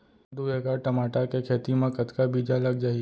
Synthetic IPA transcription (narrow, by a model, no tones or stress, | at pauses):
d̪ueɡaʈɐmaːʈakekʰeːt̪imẽkɐt̪kabiːd͡ʒalɐɡd͡ʒaːi